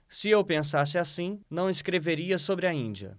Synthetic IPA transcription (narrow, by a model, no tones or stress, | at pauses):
sɪewpẽs̬as̬ɪasĩnɐ̃w̃ɪskɾeveɾiɐsobɾɪɐĩd͡ʒiɐ̰